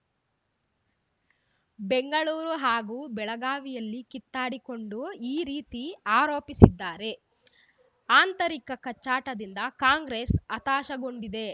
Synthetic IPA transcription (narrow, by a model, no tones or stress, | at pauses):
beŋɡɐɭuːɾuɦaːɡuːbɛɭɐɡaːʋijɐlːikit̪ːaːɽiko̞ɳɖuiːɾiːt̪iaːɾo̞ːpisid̪ːaːɾe̞ | aːnt̪ɐɾikɐkɐt͡ʃːaːʈɐd̪ind̪ɐkaːŋɡɾesɐt̪aːʃɐɡo̞ɳɖid̪e̞